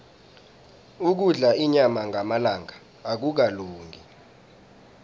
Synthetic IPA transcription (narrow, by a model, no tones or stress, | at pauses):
uk̬uɮaiɲamaŋʱamalaŋaː | k̬uk̬aloːŋɡi